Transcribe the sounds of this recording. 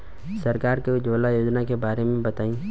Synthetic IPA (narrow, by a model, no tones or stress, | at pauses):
sɐɾkaːɾked͡ʒoːlajoːd͡ʒnakebaːɾemẽbɐt̪aːĩː